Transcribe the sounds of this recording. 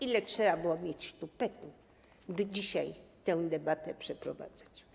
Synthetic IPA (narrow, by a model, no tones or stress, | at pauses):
ilɛtʂɛbabɘwɔmʲjet͡ɕʂt̪upɛt̪u | bɘd͡ʑiɕajt̪ɛ̃w̃d̪ɛbat̪ɛpʂɛpɾɔva̰d̪zat͡ɕ